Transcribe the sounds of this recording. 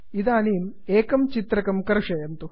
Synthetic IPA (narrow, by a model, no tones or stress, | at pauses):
id̪aːniːm | eːkɐmt͡ʃit̪ɾɐkɐmkɐɾʂɐjɐnt̪u